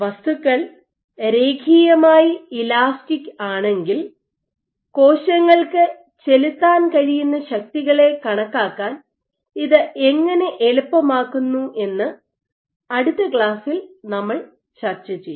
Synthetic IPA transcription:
ʋɐst̪ukːɐɭ | ɾe̞ːɡʰʱiːjɐmaːjiilaːsʈikʲːaːɳe̞ŋɡil | ko̞ːɕɐŋːɐɭkɨ | t͡ɕe̞lit̪ːaːnkɐɻijunːɐɕɐk̚t̪iɣɐɭe̞kɐɳɐkːaːkːaːn | iðɨʔe̞ŋːɐne̞ʔeɭupːɐmaːkːunːuʔe̞nːɨ | ɐɽut̪ːɐkɭaːsilnɐmːɐɭ | t͡ɕɐrt͡ɕːɐt͡ɕːejːu

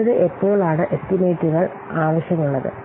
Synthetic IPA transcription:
ɐðɨʔepːo̞ːɭaːɳɨʔest̪ːime̞ːtːuɣɐɭ | aːʋɐɕjɐmuɭːɐðɨ̰

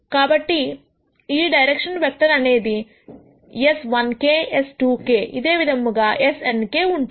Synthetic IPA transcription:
kaːbɐʈːi | iːɖɐjɾekʂɐnʋek̚ʈ̪ɐɾɐne̞ːd̪i | esʋɐnkeːesʈuːke̞ːʔḭd̪eːʋid̪ʱɐmːuɡaːʔesenke̞ːuɳʈ

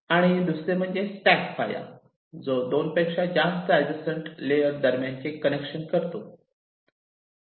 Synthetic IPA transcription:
aɽ̃id̪usɾem̤əɳd͡zesʈækfa̰ja̰ | d͡zod̪onpəjkʂad͡ʑast̪əad͡ʑəsəɳʈlejəɾd̪əɾmjãnt͡ɕekːənekʂənkəɾt̪o

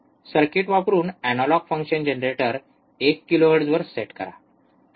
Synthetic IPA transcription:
səɾkeʈʋapɾuːnænɔlɔɡfə̃ŋkɕənd͡ʑenɾeʈəɾ | ekːiloɦəʈd͡zʋəɾseʈkə̰ɾa̰

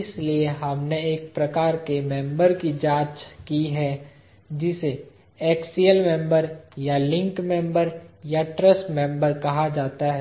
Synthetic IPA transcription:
ɪslieɦɐmneeːk̚pɾɐkaːɾkemɛ̃mbəɾkid͡ʒaːt͡ʃkiɦɛ | d͡ʒɪse | ɛːksiəlmɛ̃mbəɾjalɪ̃ŋkmɛ̃mbəɾjaʈɾəsʈmɛ̃mbəɾkɐɦad͡ʒaːt̪aɦɛː

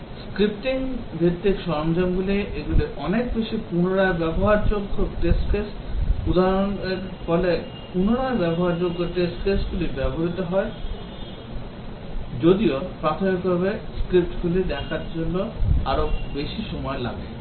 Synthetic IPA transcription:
skɾipʈiŋbʱit̪ːikʃɔɾmd͡ʑanɡuliʔeɡuliʔɔnek̚beʃipunoɽaebɛboɦaɾd͡ʑoɡʱːoʈesʈkesʈud̪aɾoneɾfɔle | punoɽaebɛboɦaɾd͡ʑoɡʱːoʈesʈkesʈɡulibɛboɾit̪oɦɔe | d͡ʑod̪iopɾat̪ʰomikbʱaβeskɾip̚ʈɡulid̪ɛkʰaɾd͡ʑonːoaɾobeʃiʃɔmɔela̰ɡḛ

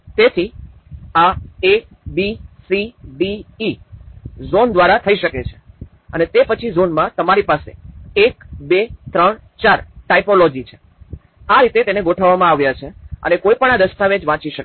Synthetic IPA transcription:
t̪et̪ʰi | ae | bisibiː | zond̪ʋaɾat̪ʰəiʃəket͡ʃʰe̥ | ə̰net̪epət͡ʃʰizonmãt̪əmaɾipasḛekbet̪ɾəɳt͡ʃaɾʈaipolod͡ʒit͡ʃʰe̥ | aɾit̪et̪eneɡoʈʰəʋːamãaʋjat͡ʃʰeə̰nekoipəɳad̪əst̪aʋed͡ʒʋãt͡ʃiʃək

